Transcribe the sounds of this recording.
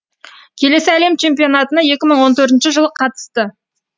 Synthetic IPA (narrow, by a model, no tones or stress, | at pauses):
kʲʰe̞le̞sɪæle̞mt͡ʃʰe̞mpijo̞nɑt̪ənəje̞kʲɪməɴwo̞nt̪ʰɵɾt̪ɪnʃɪʒəlˠəqʰɑt̪ə̥st̪ə